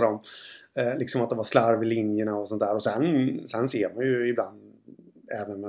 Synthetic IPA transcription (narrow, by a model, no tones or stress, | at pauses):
d̪ɔm | lɪksɔmat̪̚d̪ɛmvaɾʂlaɾvɪlɪnjəɳaɔsɔnt̪æːɾɔsɛnsɛnseːɾmanjɵɪbland̪ | ɛːvənmɛ